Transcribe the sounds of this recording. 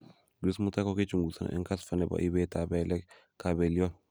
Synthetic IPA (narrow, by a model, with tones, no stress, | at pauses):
ɡi˦smu˦ta˦kɔ˦ke˦t͡ʃu˨ŋɡu˨sa̰˨nɛ̰˦ŋka˦sfa˨nɛ˨ba̰˨ʔi˦bɛ˦ta˨bɛ˨lɛ˦k | ka˨bɛ˨li˦ɔ˦n